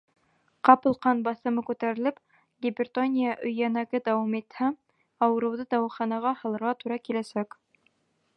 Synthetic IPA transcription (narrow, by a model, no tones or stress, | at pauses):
qɑpɤ̆lˠqɑnbɑθɤ̆mɤkʉt̪æɾɘ̆lɘp | ɡʲɪbʲɪrt̪onʲijaʔɵ̆jænæɡɘd̪ɑwɑmit̪hæ | ɑwɤ̆ɾɤ̆wðɤd̪ɑwɑ̆χɑnɑʁɑhɤ̆lˠɤ̆ɾʁɑt̪uɾɑkilæsæk